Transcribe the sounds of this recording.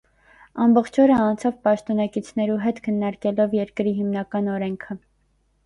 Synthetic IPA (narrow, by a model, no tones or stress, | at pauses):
ɑmbɔχt͡ʃʰɔɾəɑnt͡sʰɑvpɑʃt̪ɔnɑkit͡sʰnɛɾuɦɛt̪kʰənːɑɾkɛlɔvjɛɾkɾiɦimnɑkɑnɔɾɛŋkʰə